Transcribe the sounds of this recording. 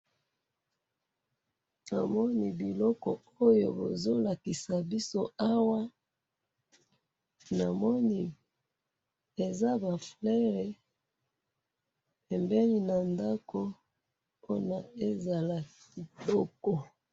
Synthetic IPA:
na˨mɔ˦ni˦˨bi˨lɔ˦kɔ˨ | o˦jo̰˨bo̰˨zo˦la˨ki˨sa˨bi˦so˦a˦wa˦ | na˨mɔ˦ni˦ | e˨za˦ba˨flɛ˦ʁɛ˨ | pɛ˨mbɛ˦li˦na˨nda˦kʰo˦ | po˦na˨e˦za˨la˨k | i˨lɔ˦kɔ˨

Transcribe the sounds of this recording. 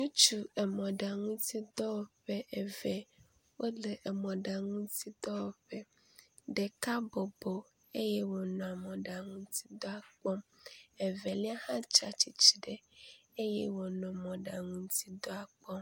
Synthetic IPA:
ɲũ˦t͡ʃu˨ɛ˨mɔ̃˨ɖa˨ŋũ˦t̪i˦d̪ɔ˦wɔ˨ɸɛ˦ʔɛ˨vɛ˨ | wo˦lɛ˨ʔɛ˨mɔ̃˨ɖa˨ŋũ˦t̪i˦d̪ɔ˦wɔ˨ɸɛ˦ | ɖɛ˨ka˦bɔ˨bɔ˨ | e˦jɛ˦wɔ˨nɔ̃˨a˨mɔ̃˨ɖa˨ŋũ˦t̪i˦d̪ɔ˦a˨k͡pɔ˦mɛ˨vɛ˨li˦a˦hã˦t͡ʃa̰˨t͡ɕi˨t͡ɕi˨ɖɛ˨e˦jɛ̰˦wɔ˨nɔ̃˨mɔ̃˨ɖa˨ŋũ˦t̪i˦d̪ɔ˦a˨k͡pɔ˦

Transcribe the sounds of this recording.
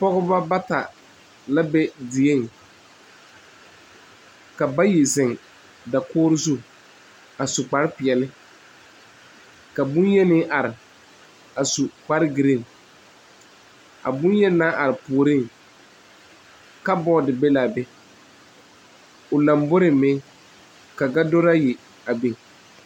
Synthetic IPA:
pɔ˦ɣʊ˦ba˦ba˦ta˨ | la˦bɛ˦dɪ˨e˦˨ŋ | ka˨ba˦ji˨zɪ˨ŋ | da˨kɔː˦ɾɪ˦zu˦ | a˨sʊ˨k͡pa˦ɾɪ˦pɪ˨ɛ˨lɪ˦ | ka˨bʊ̃˦njɛ˦nɪ˦ʔa˨ɾɪ˨ | a˨su˨k͡pa˦ɾɪ˦ɡɪ˨ɾɪ˦˨n˨ | a̰˨bʊ̃˦njɛ˦na˦ʔa˨ɾɪ˨pʊ˨o˨ɾɪ˦˨ŋ | ka˦bɔ˦dɪ˨be˦la˨bɛ˦ | ʊ˨la˨mbʊ˦ɾɪ˨mɪ˦ | ka˨ɡa˦do˦ɾa˦jɪ˨ | a˨be˨

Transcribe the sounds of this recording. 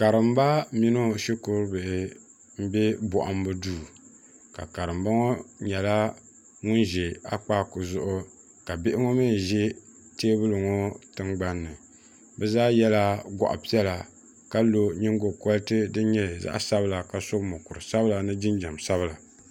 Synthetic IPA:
ka˨ɾɨ˨m˦ba˦mi˦no˦ʃi˦ko˦ɾbɨ˨ʔɪ˨ | m̩˦bɛ˦bɔ˨ʔa˨˦m˦bɨ˦duː˦˨ | ka̰˨ka˨ɾɨ˨mba˦ŋo˦ɲɛ˨la˦ | ŋʊ˦nʒɛ˨a̰˦k͡paː˦kʊ˨zʊ˦˨ʔʊ˦ | ka˨bɪ˦ʔɪ˦ŋo˦mi˦˨ʒɛ˦teː˦bɨ˦lɨ˨ŋo˦tɨ˦ŋɡ͡ba˦nːɨ˨ | bɛ˦zaː˦jɛ˦la˦ɡɔ̰˨ʔa̰˨pi˦ɛ˦la˨ | ka˦lo˦ɲi˦ŋɡo˨kɔ˦ltɨ˦dɨ˦ɲɛ˦˨za̰˦ʔsa˦bla˨ka˨so˦kmo˨kʊ˨ɾɨ˨sa˦bla˨nɨ˦d͡ʒɪ˦nd͡ʒa˨msa˦βɨ˦la˨

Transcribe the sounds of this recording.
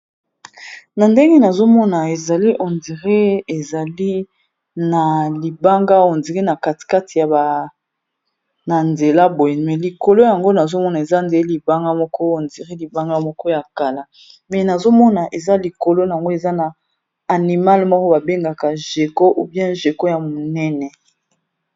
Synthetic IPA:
na˨nde˦ŋɡe˦na˨zo˦mɔ˦na˨e˨za˨li˦ʔɔ˨ndi˨ʁe˦e˨za˨li˦ | na˨li˨ba˦ŋɡa˦ɔ˨ndi˨ʁi˦na˨ka˨ti̥˨ka˦ti˨ja˨ba˨ | na˨nze˨la˦bo˨je˨mɛ˨li˨ko˨lo˦ja˨ŋɡo˦na˨zo˦mɔ˦na˨e˨za˦nde˨˦li˨ba˦ŋɡa˦mɔ˦kɔ˦o˨ndi˨ʁi˦li˨ba˦ŋɡa˦mɔ˦kɔ˦ja˨ka˨la˨ | mɛ˨na˨zo˦mɔ˦na˨ʔe˨za˦li˨ko˨lo˦˨a˨ŋɡo˦e˨za˦na˨ | a˨ni˨ma˦lmɔ˦kɔ˦ba˨be˦ŋɡa˨ka˨ʒe˨ko˦ʔu˦bjɛ̃˦ʒe˨ko˦ja˨mo˨nɛ˦nɛ˨

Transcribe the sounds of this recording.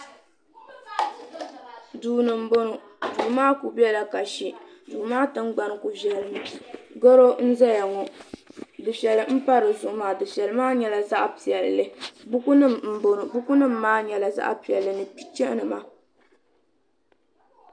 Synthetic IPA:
duː˨nɨ˨m̩˦bo˦nu˨ | duː˨maː˦ku˨bi˦ɛ˦la˨ka˨ʃi˨du˨maː˦tɨ˦ŋɡ͡ba˨nɨ˨ku˨vɛ˨lɡɔ˦ɾo˦n̩˦za˦ja˨ŋɔ˨ | dɨ˨fɛ˨lɨ˨m̩˦pa˦ɾɨ˨zʊ˨ʔʊ˨maː˨dɨ˨fɛ˨lɨ˨˦maː˦ɲɛ˨la˨za˦ʔpi˨ɛ˨lːɨ˦bu˦ku˦nɨ˦mm̩˨bo˨nɨ˨bu˦ku˦nɨ˦m̩ː˦aː˦ɲɛ˨la˨za̰˦ʔpi˨ɛ˨lːɨ˨nɨ˨pi̥˦t͡ʃɛ˦ʔnɨ˨ma˨

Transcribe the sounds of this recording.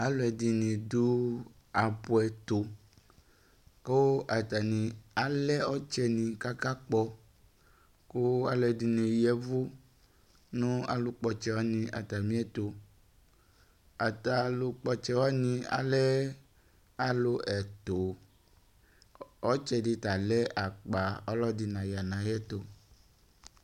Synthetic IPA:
a˦lo˨ɛ˨di˨nĩ˨du˦ | a˨pu˨ɛ˨t̪o˨ | ko˦ʔa˨t̪a˨nĩ˨a˨lɛ˦ɔ˦t͡ʃɛ˦nĩ˨ka˦ka˦k͡pɔ˦ | ko˦a˨lɛ˨di˨nẽ˨jɛ˨vu˦ | nũ˦a̰˨lu˨k͡pɔ˨t͡ʃɛ˦wa˦nĩ˨ʔa̰˨t̪a˨mĩ˦ɛ˦t̪o˨ | a˨t̪a˨lu˨k͡pɔ˦t͡ʃɛ˦wa˦nĩ˦a̰˦lɛ˦ | a˦lo˦ʔɛ˨t̪o˨ | ɔ˦t͡ʃɛ˦di˦t̪a˨lɛ˦ʔa˨k͡pa˨ɔ˦lɔ˦di˨nã˨ja˨nã˨jɛ˦t̪o˨

